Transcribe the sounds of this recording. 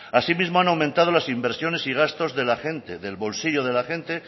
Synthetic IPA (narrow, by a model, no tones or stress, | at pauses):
asimizmo̞anawmẽnt̪að̞o̞lasimbe̞ɾsjo̞ne̞siɣ̞ast̪ozðe̞laxe̞nt̪eðe̞lβo̞lsiʝo̞ð̞e̞laxe̞nt̪e̞